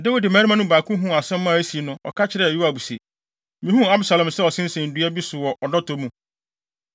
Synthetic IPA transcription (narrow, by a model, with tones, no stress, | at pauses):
da˦wi˨dɪ˨mæ̃˨˦ɾi˦mã˦nʊ̃˦baː˨kʰʊ̃˦ɦũ˦˨a˨sɛ̃˦m˦mːã˦˨æ˦si˨e˨nʊ̃˦ɔ̰˨kʰa˦t͡ɕʰɪ˦ɾɛ˦˨i˦a˨bu˨se˨ | mĩ˦ɦũ˦a˦bɪ˦sa˨lɛ̃˨msɛ˦ɔ˨sɪ̃˦n̩˦sɛ̃˨n̩˨du˦a˦bi˦sʊ˨wɔ˨ʔɔ˨nã˦tʰo˨mũ˨